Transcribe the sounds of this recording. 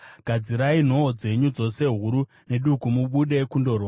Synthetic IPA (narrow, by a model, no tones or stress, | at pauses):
ɡ̥ʱad͡ziɾain̤o̞ːd͡ze̞ɲud͡zo̞se̞ɦuɾu | ne̞ɗukumuɓuɗe̞kundo̞rwa